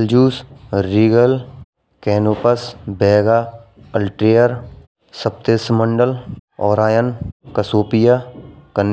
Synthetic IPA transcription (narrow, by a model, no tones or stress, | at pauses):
ld͡ʒuːsɾiːɡəl | kɛːnoːpəsbɛːɡaː | əlʈɾeːəɾ | səp̚t̪esməɳɖəlɔːɾaːjənkəsoːpɪjakənː